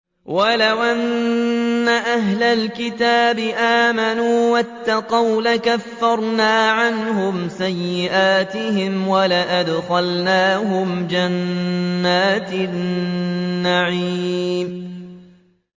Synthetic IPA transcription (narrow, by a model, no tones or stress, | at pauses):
walawʔanː | aʔaɦlalkɪt̪aːbɪʔaːmanuːwat̪ːɑqɑwlakafːɑɾˤnaːʕanɦʊmsajːɪʔaːt̪ɪhɪmwalaʔad̪xalnaːɦʊmd͡ʒanː | aːt̪ | aʕiːm